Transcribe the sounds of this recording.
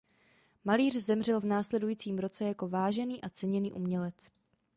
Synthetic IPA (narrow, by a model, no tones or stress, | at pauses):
maliːr̝zɛmr̝ɛlvnaːslɛdujiːt͡siːmɾo̞t͡sɛjako̞vaːʒɛniːʔat͡sɛɲɛnḭːʔumɲɛlɛt͡s